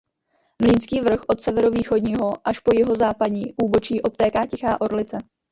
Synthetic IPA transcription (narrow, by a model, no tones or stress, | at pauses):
mliːnskiːvr̩xʔo̞t̪sɛvɛɾoviːxo̞dɲiːɦo̞ʔaʃpo̞jɪɦo̞zaːpadɲiːʔuːbo̞t͡ʃiːʔo̞p̚t̪ɛːkaːcɛxaːʔo̞ɾlɪt͡sɛ